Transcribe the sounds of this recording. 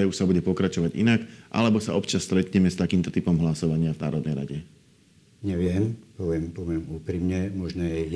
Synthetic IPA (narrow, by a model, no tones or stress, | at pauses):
uʃsabuɟɛpɔkɾat͡ʃɔʋaɟḭnakʔa̰lɛbɔsaɔpt͡ʃasːt̪ɾɛt̪ɲɛmɛst̪akiːmt̪ɔt̪ipɔmɦlasɔʋaɲɪavna̰ːɾɔd̪nɛjɾa̰ɟɛ | ɲɛʋɪɛmpɔʋɪɛmpɔʋɪɛmuːpɾimɲɛmɔʒnɔjɛ